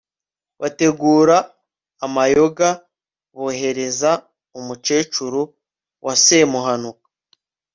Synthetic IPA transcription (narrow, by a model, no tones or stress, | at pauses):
βate̞ɡuːɾaː | majo̞ɡa | βoːɦe̞ɾe̞za | umut͡ʃe̞ːt͡ʃuɾu | wʔase̞muɦanukḁ